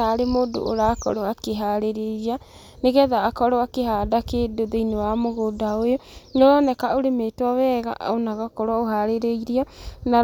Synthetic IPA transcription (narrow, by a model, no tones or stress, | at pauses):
aɾemoːdo̰ʔo̰ɾaːkɔ̰ɾoakeɦaɾeɾeɾa | neɣɛðaːkɔɾɔakeɦadakedoðeinewamoɣodaojoɲɔɾɔnɛkaoɾemeːtwɔwɛːɣa̰onaɣakɔɾwaoɦaɾeɾeiɾiɔna